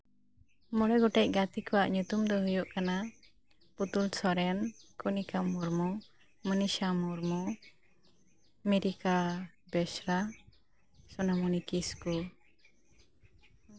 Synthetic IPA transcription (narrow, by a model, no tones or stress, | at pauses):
mɔɽɛɡɔʈɛc̚ɡat̪ikɔwaʔɲut̪umd̪ɔɦujɔʔkana | put̪ulsɔɾɛnkɔnikamuɾmu | məniʃamɔɾmu | meɾika | bɛsɾa | sɔnamunikisku